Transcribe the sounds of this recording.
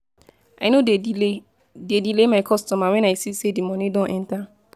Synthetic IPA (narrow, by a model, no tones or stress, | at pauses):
aɪnode | dedilemaɪkʰɔstɔmawɛ̃naɪsisedimɔnĩdõnʔɛ̃nta